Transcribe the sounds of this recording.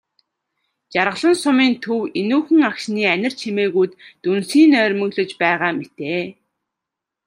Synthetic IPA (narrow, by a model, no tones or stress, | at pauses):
t͡ɕaɾʁə̆ɮə̆nsʊmiːnt̪ʰɵwenuːxɘ̆ŋakʃniːænʲɪ̆r̥t͡ɕʰimeːɣujt̪ːunsiːnœːɾʲmɵ̆ɣɮɵ̆t͡ɕpæːʁaːmet̪eː